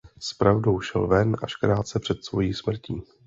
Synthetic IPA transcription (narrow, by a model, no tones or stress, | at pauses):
spɾavdowʃɛ̰lvɛnʔa̰ʃkɾaːt̪̚t͡sɛpr̥ɛt̪svo̞jiːsmr̩ciː